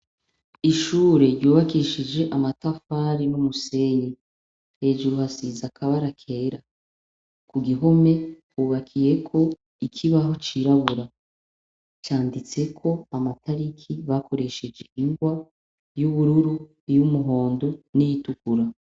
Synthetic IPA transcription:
iʃuːɾe̞ɾɟuːβakiʃid͡ʒe̞ʔamatafaɾinumuse̞ɲe | he̞ːd͡ʒuɾuhasizakʰaβaɾakʰe̞ːɾa | kuɡiɦo̞me̞kuːβakʰije̞kʰo̞ | ikʰiβaɦo̞t͡ʃiɾaβuɾa | t͡ʃaːndit͡se̞kʰo̞amatʰaɾikʰiβako̞ɾe̞ʃe̞d͡ʒe̞ʔiŋɡwa | juβuɾuɾu | jumuɦo̞ːndo̞nijitukuɾa

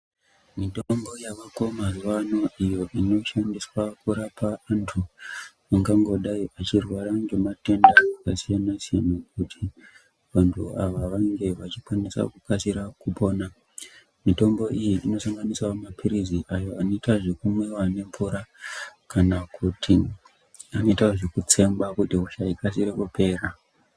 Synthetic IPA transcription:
mitombo̞jakako̞mazuwano̞ijo̞ʔino̞ʃandiswakuɾapʰaantʰu | aŋɡaŋɡo̞ɗaiʔat͡ʃirwaɾaŋɡemate̞ndakasijanasijanakutʰi | ʋantʰuaʋaʋaŋɡe̞ʋat͡ʃikwanesa̰kukasiɾakupo̞ːna | mito̞mbo̞ijiʔino̞saŋɡanisaomapʰiɾiziʔajo̞ano̞itaʐekumwewane̞ɱpuɾakanakʰutʰi | ano̞itaoʐekut͡se̞mbakutiuʃaikasiɾekupe̞ːra

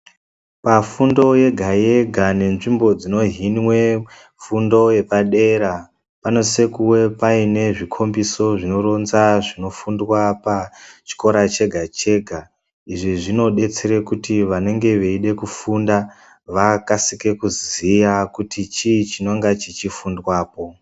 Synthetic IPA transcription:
pafundo̞je̞ɡʱaje̞ɡʱane̞nʐimbo̞d͡zino̞ɦinwe̞ | fundo̞je̞paɗe̞ɾa | pano̞se̞kuwe̞paine̞ʐikʰo̞mbiso̞ʐino̞ro̞nzaʐino̞fundwapat͡ʃi̥ko̞ɾat͡ʃe̞ɡʱat͡ʃe̞ɡʱa | iʐiʐino̞ɗe̞t͡seɾekutiʋane̞ŋɡe̞ʋeiɗe̞kufunda | ʋakasike̞kuzijakutit͡ʃit͡ʃino̞ŋɡat͡ʃit͡ʃifundwaːpo̞

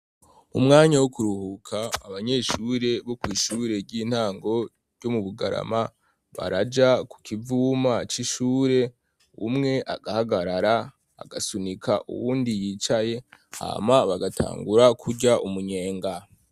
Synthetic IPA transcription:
umŋaːɲawokuɾuhukʰaːβaɲe̞ʃuɾe̞βokwiːʃuːɾe̞ɾɟiːn̥haːŋɡo̞ | ɾɟomuβuɡaɾa̰ma | βa̰ɾad͡ʒaku̥kivuːmat͡ʃiʃuːɾe̞ | ṵmŋe̞ʔaɡahaɡaɾaɾa | a̰ɡasunikʰa̰ʔṵβuːndijiːt͡ʃaje̞ha̰ːmaβaɡatʰa̰ːŋɡuɾakʰuɾɟaʔumuɲe̞ːŋɡa

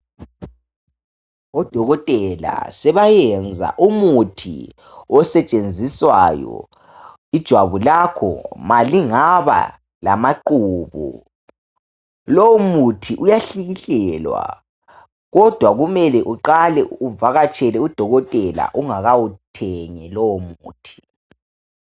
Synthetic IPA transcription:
ɔd̥ʱɔɣɔtʼɛla̰sɛβajɛnd͡zʱa̰ʔumutʰḭ | ɔsɛt͡ʃʼend͡zʱiswajɔ̰ | id̥ʒ̥ʱwaβulakʰɔ̰maliŋaβa̰ | la̰maǃuːβṵ | lɔwumutʰiʔujaɬiɣiɬɛlwa̰ | ɣɔd̥ʱwaɣumɛlɛʔuǃalɛuvaɣat͡ʃʼɛlɛud̥ʱɔɣɔtʼɛla̰ʔuŋaɣawutʰɛŋɛlɔwɔmuːtʰi̥

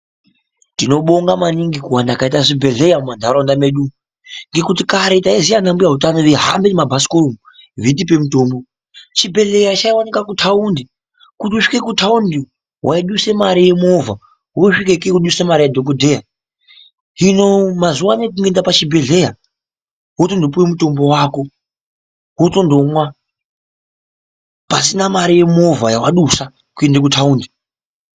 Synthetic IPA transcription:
tino̞ɓoŋɡamaniŋɡikuwandakaitaʐibʱe̞ɮe̞jamumandʱaɾondame̞ɗu | ŋɡe̞kutikaɾe̞taizijanambujaɦutanoʋeɦambenemabʱasi̥kolomu | vit̬ipe̞mutoːmbo | t͡ʃibʱe̞ɮe̞jat͡ʃaiwanikakutʰaundi | kutiuʂi̥ke̞kutʰaundi | wʔaiɗuse̞maɾije̞mova | ɦoʂikekekuɗusemaɾijadʱokodʱe̞ja | ɦinomazuwamek̬uŋɡe̞ndapat͡ʃibʱe̞ɮe̞ja | woto̞ndopuwemuto̞mbo̞wako̞ | woto̞ndo̞mwa | pasinamaɾije̞mo̞vʱajawaɗusa | kue̞ndekutʰauːndi

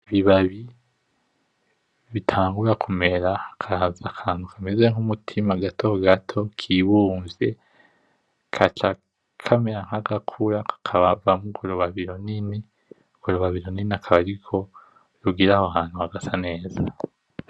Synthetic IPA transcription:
βiβaβi | βitʰaːŋɡuɾakʰume̞ɾakʰazakʰaːn̥ukʰamezeŋumutʰimaɡatʰo̞ɡatʰo̞kʰiβuːɱvje̞ | kʰat͡ʃa | kʰameɾaŋ̥haɡakʰuɾakḁkʰaβavamuɡoɾoβaβiɾonini | uɡ̥oɾoβaβiɾoniniakʰaβaɾikʰo̞ | ɾuɡiɾahoɦaːn̥huhaɡasane̞ːza

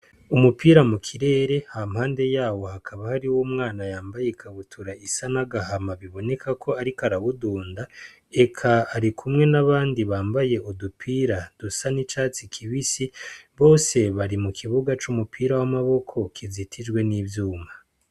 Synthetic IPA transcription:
umupʰiːɾamukʰiɾe̞ːɾe̞hamhaːnde̞jaːwo̞hakʰaβahaɾiwumŋaːnajaːmbajekʰaβutʰuɾaisanaɡahamaβiβo̞ne̞kʰakʰo̞aɾikaɾaβuduːnda | e̞kʰaːɾikʰumŋe̞naβaːndiβaːmbaje̞udupʰiːɾad̥usanit͡ʃaːt͡sikʰiβisiβo̞ːse̞βaɾimukʰiβuɡat͡ʃumupʰiːɾawamaβo̞kʰo̞kʰizitʰid͡ʒɡwe̞niːvjuːma

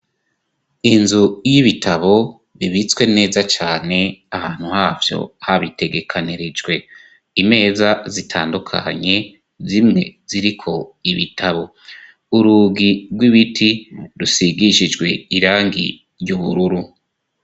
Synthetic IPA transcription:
inzujiβitʰaβo̞ | βiβit͡skwe̞ne̞ːzat͡ʃaːne̞ahaːn̥huhaːvjo̞̰haβite̞ɡe̞kʰaniɾed͡ʒɡwe̞ | ime̞ːzazitʰaːndukʰa̰ɲe̞ | zimŋe̞̰ziɾikʰo̞iβitʰaβo̞ | uɾuɡiɾɡwiβitʰiɾusiɡiʃid͡ʒɡwe̞iɾaːŋɡḭ | ɾjuβuɾuɾu

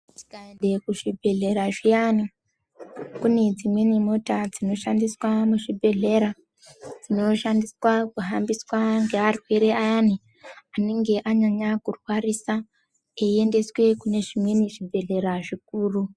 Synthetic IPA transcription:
ti̥kaendekuʐibʱe̞ɮe̞ɾaʐijani | kune̞d͡zimwe̞nimo̞tad͡zino̞ʃandiswamuʐibʱe̞ɮe̞ɾa | d͡zino̞ʃandiswakuɦambiswaŋɡearwe̞ɾeajani | aneŋɡe̞ʔaɲaɲakurwarisa | eiende̞swe̞kune̞ʐimweniʐibʱe̞ɮe̞ɾaʐik̚uːru

